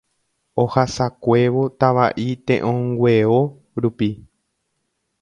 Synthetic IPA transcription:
ohasakʷe̞ʋot̪aʋaʔit̪ẽʔõŋɡʷe̞o | ɾupi

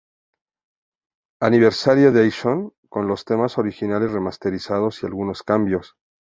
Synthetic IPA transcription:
aniβ̞e̞ɾsaɾjoðajʃoŋko̞nlo̞st̪e̞maso̞ɾixinale̞zre̞mast̪e̞ɾisað̞o̞sia̰lɣuno̞skambjo̞s

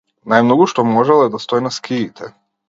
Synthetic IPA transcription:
najmnoɡuʃt̪omɔʒɛlˠɛd̪ast̪oinaskʰiːt̪ʰɛ

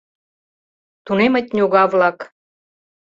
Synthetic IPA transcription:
t̪unemət̪̚ʲnʲuɣɑβlɑk

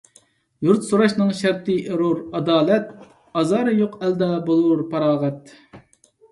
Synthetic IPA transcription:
juɾt̪suɾɑʃnɨŋʃæɾt̪ɨʔɾuɾɑd̪ɑːlɛt̪̚ | ɑzɑːɾɨjoqʰɛld̪ɛbolˠuɾpʰɑɾɑːʁɛt̪̚

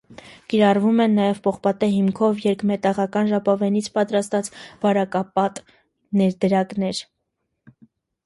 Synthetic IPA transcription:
kiɾɑrvumɛnːɑjɛvpɔχpɑt̪ɛɦimkʰɔvjɛɾkmɛt̪ɑʁɑkɑnʒɑpɑvɛnit͡sʰpɑt̪ɾɑst̪ɑt͡sv̥ɑɾɑkɑpɑt̪ | nɛɾd̪əɾɑknɛɾ

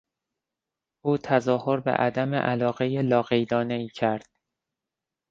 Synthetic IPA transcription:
ʔuːt̪ʰæzɒːhoɾbḛʔæd̪æmḛʔælɒːɣe̞jelɒːɣejd̪ɒːne̞iːcʰæɾd̪̥

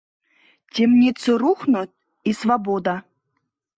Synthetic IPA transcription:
tʲemnʲit̪soɾuχnut̪̚ʲ | isvabod̪ɑ

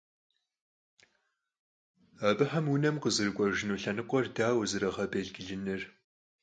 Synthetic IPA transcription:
abɨħɐmwʊnɐmqəzɨrɨkʷʼɔʒɪnuːɬɐnɨqʷʼɔrdaːwzɨɾɐʁɐbeɮɡɪɮɨnɨr

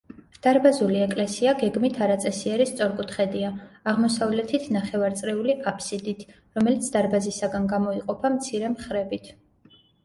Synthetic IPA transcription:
d̪̥aɾbazuliɛkʼlɛsiaɡɛɡmit̪ʰaɾat̪sʼɛsiɛɾist̪sʼɔɾkʼut̪ʰχɛd̪iaːʁmɔsavlɛt̪ʰit̪ʰnaχɛvaɾt̪sʼɾɛuliʔapʰsid̪it̪ʰ | ɾɔmɛlit̪sʰd̪aɾbazisaɡanɡamɔiqʼɔpʰamt̪sʰiɾɛmχɾɛbit̪ʰ

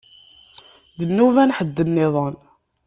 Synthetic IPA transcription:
ðənːuvænħəd̪ːənːɪðˤən

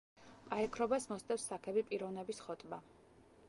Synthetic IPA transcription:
pʼaɾɛkʰɾɔbasmɔst̪ʼɛfsːakʰɛbipʼiɾɔvnɛbisχɔt̪ʼma

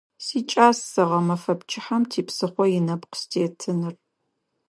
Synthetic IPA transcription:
siːt͡ʃʼaːsːɐʁɐmɐfɐpt͡ʃʰʼɪħamtʰiːpsɨχʷɔjɪnɐpqə̥stʰeːtʰɨnɨr

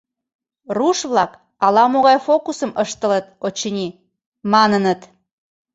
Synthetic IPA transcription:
ruʃβlɑk | ɑlɑmoɣɑjfokusəməʃt̪ə̆lət̪̚ot͡ɕənʲi | mɑnənət̪

